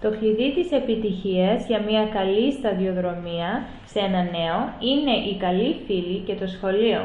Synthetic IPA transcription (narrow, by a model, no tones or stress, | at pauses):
t̪o̞xliðit̪ise̞pit̪içiɐzʝɐmɲɐkɐlist̪ɐðio̞ðɾo̞miɐ | seenɐne̞o̞ine̞ʔikɐlifilice̞t̪o̞sxo̞lio̞̰